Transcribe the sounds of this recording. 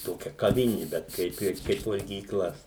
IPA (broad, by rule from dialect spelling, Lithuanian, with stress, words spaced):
ˈtoːkʲɛ kɐˈʋʲɪnʲɪ bʲɛt ˈkɐɪp ɪr ˈkɐɪp ʋɐlʲɡʲiːˈklˠɐ